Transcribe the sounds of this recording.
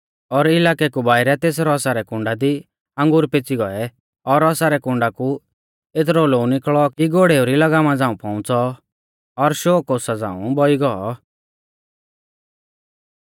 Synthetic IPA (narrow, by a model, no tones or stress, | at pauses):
ɔɾɪlaːkɛkubaːɪɾɛt̪eːs̬ɾɔsaɾɛkʊ̃ɳɖad̪i | ə̃ŋɡʊɾpet͡siɡɔɛ | ɔɾɔsaɾɛkʊ̃ɳɖaku | et̪̬ɾɔlounɪkɭɔiɡoɽeoɾilɐɡamãd͡zãːũpɔ̃ʊ̃t͡sɔ | ɔɾʃoːkɔsad͡zã̰ːṵ̃bɔiɡɔɔ